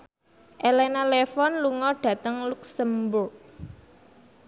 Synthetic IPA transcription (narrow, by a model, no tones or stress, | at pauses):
ʔelɛnalefɔnluŋɔɖ̥ä̤t̪əŋluksəmbʊrk̚